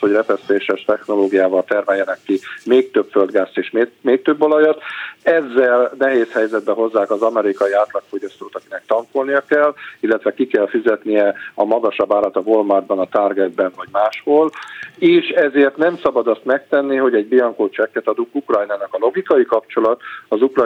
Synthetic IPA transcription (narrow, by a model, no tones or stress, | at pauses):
ho̞ɟrɛpɛst̪eːʃɛʃt̪ɛxno̞loːɡijaːvɒlt̪ɛrmɛjːɛnɛkːimeːk̚t̪øbføld̪ɡaːsːeːʃmemeːk̚t̪øbːolɒjɒt̪ɛzːɛlnɛɦeːshɛjzɛd̪bɛɦo̞zːaːkɒzɒmɛɾikɒjiaːt̪lɒkfo̞ɟɒst̪oːt̪ɒkinɛk̚t̪ɒŋkolnijɒkɛlːilːɛt̪ʋɛkikɛlfizɛt̪nijɛɒmɒɡɒʃɒbːaːlat̪ɒvolmard̪̚bɒnɒt̪arɡɛd̪̚bɛnvɒɟmaːʃholeːʃɛzeːrt̪nɛmsɒbɒd̪ɒst̪mɛk̚t̪ɛnːiɦo̞ɟɛɟbiɒŋkoːt͡ʃɛkːɛt̪ɒd̪uŋkukrɒjnaːnɒkɒlo̞ɡikɒjikɒpt͡ʃo̞lɒt̪ɒzukr